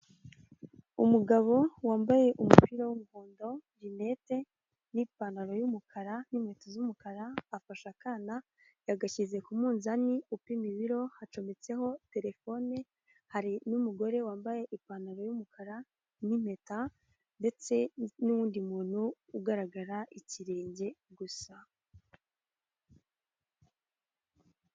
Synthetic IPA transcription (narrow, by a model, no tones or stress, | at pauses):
umuɡaβo̞waːmbaje̞ʔumupiːɾawumuhoːndo̞vine̞te̞ | nipanaɾo̞jumukʰaɾanime̞tozumukaɾaːfaʃakaːna | jaɡaçize̞kumuːnzaniupimiβiɾo̞hat͡ʃo̞met͡se̞ɦo̞te̞ɾe̞fo̞ne̞ | haɾinumuɡo̞ɾe̞waːmbaje̞ʔipanaɾo̞jumukʰaɾa | nime̞ta | nde̞t͡se̞nuwuːndimuːn̥huː | ɡaɾaɡaɾaʔiciɾe̞ːɲɟe̞ɡusa